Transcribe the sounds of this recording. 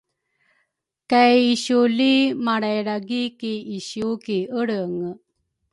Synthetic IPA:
kajiɕulimaɽajɾaɡikiiɕukiəɽəŋ

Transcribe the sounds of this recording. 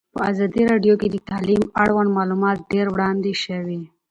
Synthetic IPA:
pəazɑd̪iɾɑɖjoked̪ət̪alimaɽwand̪mɑlumɑt̪̚ɖeɾwɽɑnd̪eʃəwi

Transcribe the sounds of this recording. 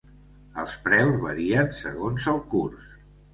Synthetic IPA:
əlˠspɾɛwzβəɾiənsə̰ɣonzəlˠkurs

